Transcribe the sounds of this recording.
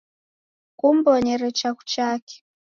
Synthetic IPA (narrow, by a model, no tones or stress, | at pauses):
kumbɔɲɛɾɛt͡ʃaku̥t͡ʃakɛ̥